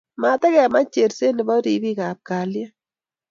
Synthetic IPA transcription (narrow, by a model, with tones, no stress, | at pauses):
ma˨ta˦kɛ˨ma˦t͡ʃe˨ɾse˦nɪ˨bɔ˦ɾi˨bi˦ka˨p̚ka˨lja˦